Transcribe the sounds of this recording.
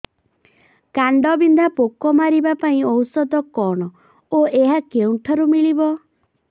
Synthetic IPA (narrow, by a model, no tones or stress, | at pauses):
kaɳɖɔbind̪ʱapokɔmaɾibapaĩɔwsɔd̪ɔkɔɽ̃ɔ | oeɦakeuɳʈʰɔɾumiɭibɔ